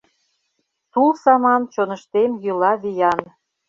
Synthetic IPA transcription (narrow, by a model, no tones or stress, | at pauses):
sulsɑmɑnt͡ɕonə̆ʃt̪emjylɑβijɑn